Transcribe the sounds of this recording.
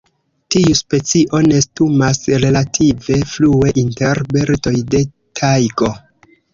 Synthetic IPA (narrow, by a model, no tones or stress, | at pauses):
tiuspe̞t͡siʔo̞ne̞stumasɾe̞latʰive̞flue̞ʔinte̞ɾbeɾto̞jde̞ | tʰajɡo̞